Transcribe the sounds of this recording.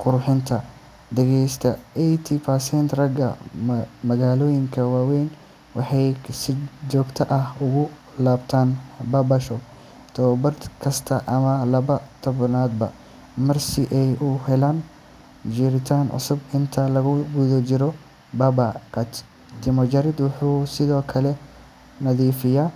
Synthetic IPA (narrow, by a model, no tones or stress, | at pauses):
qʊɾʊħɪnt̪ʰɐ | d̪ɛɣɛjst̪ʰɐʔɛjt̪ʰɪpʰɐsɛnt̪rɐɡɐ̰ | mɐɣaːlɔːjɪŋkʰɐwaːwɛjn | wɑħɑjsɪd͡ʒɔːɡt̪ʰɐʔɐhʊɣʊ | laːbt̪ʰaːnbɐbɐʃɔ | t̪ʰɔbɐd̪kʰɐst̪ʰɐʔɐmɐlɐβɐt̪ʰɔβnaːd̪bɐ̰ | mɐrsɪʔɛjʔʊhɛlaːn | d͡ʒɪɾɪt̪ʰaːnʕʊ̰sʊbɪnt̪ʰɐlɐɣʊɡuðɐt͡ʃɪɾɔ | babaqɑt͡ʃ̪ | t̪ʰɪmɔt͡ʃɐɾɪd̪wɑħuːsɪðɔːkʰɐlɛ | nɐðiːfɪjaː